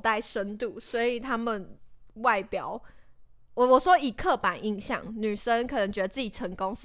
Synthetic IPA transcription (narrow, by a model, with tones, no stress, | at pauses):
t̪a˥˩ɪʂə˦˥nt̪u˥˩swɔ˧˥i˨˩t̪ʰa˥mə˨nwa˥˩ɪpjɑ˨˩˦ʊ˨ | wɔ˨˩ʂwɔ˥i˨˩kʰɤ˥˩pa˨˩˦nʔi˧˥ŋɕjɑ̰˥˨˩ŋny˨˩ʂə˦nkʰɤ˨˩nə˧˦ŋt͡ɕɥɛ˧˥d̪ə˧t͡sɹ̩˥˩t͡ɕi˨˩ʈ͡ʂʰə˧˦ŋko˥˦ŋʂ